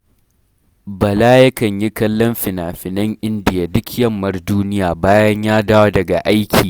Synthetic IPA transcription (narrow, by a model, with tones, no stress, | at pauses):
bɐ˨laː˦jɐ˦kɐ˨ɲji˦kɐ˦lːɔ˦mɸɪ˨naː˨ɸɪ˨nɐ˦ŋʔɪ˦ndɪ˨ja˨dʊ˦kjɐ˦mːɐ˦rduː˦nɪ˦jaː˨baː˦jɐ˦ɲjaː˦daː˦wa˦dɐ˨ɡa̰˨ʔa˦jkʲʰiː˨